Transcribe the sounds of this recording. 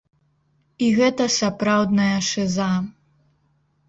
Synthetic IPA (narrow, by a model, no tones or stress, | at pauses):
iɣɛt̪ɐsapɾawd̪nɐjɐʂɨza